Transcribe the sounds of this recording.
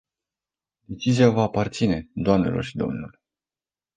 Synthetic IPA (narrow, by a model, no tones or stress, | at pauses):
d̪e̞t͡ʃiziavaːpart̪sine̞d̪oamne̞̰lʔo̞̰rʃid̪o̞̰mnule